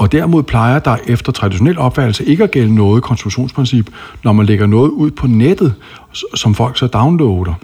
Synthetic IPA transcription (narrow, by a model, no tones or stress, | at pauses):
ɒ̽d̥æɐmo̝ð̞̰ˠpʰl̥ɑ̈ɪɐd̥ɑ̈ɪʔefd̥ɐt͡sʰʁɑ̈d̥iɕo̝nel̰ɒ̽b̥fæd̥l̩səʔe̝ɡ̥əæɡ̥el̰ənɔ̽ːð̩ˠkʰɒ̽nsd̥ʁuɕo̝̰ːnspʰʁinsib̥nɒmænle̝ɡ̥ɐnɔ̽ːð̩ˠuð̰ˠpʰɒ̽ned̥ð̩ˠ | sɒ̽mfɒ̽l̰ɡ̥sɒd̥ɑ̈ʊnlɔʊd̥ɐ